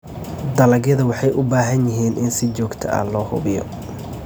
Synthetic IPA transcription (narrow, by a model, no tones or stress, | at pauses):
d̪ɐlɐɡjɐðɐwɑħɑjʔʊbaːɦɐnjɪɦiːnʔɪnsɪt͡ʃɔːɡt̪ʰɐ̰ʔɐ̰lɔːhʊ̰βɪjɔ̰